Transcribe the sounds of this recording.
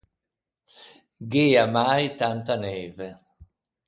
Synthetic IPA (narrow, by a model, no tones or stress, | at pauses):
ɡeamajt̪ant̪anɛːve